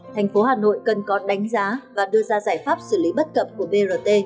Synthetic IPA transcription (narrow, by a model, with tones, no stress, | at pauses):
t̪ʰɛ˨˩jŋ̟fo˨˦haː˨˩no̰˧˨jkə˨˩nkɔ˨˦ɗa˨˦ŋ̟zaː˨˦vaː˨˩ɗɨ˧əzaː˧zaː˧˩jfaː˦˥p̚sɨ˧˩li˨˦ɓə˦˥t̚kə̰˧˨p̚ku˧˩əɓe˧zəː˨˧˩t̪e˧